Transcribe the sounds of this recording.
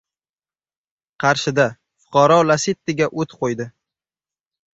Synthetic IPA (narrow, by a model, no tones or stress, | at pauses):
qʰɑɾʃɪd̪a | fʊ̥qʰɑɾɒlasɪt̪ːɪɡʲaʔot̪qʰojd̪ɪ